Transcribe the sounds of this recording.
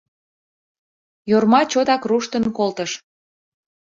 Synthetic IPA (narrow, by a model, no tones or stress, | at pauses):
jormɑt͡ɕod̪ɑkruʃt̪ənkolt̪əʃ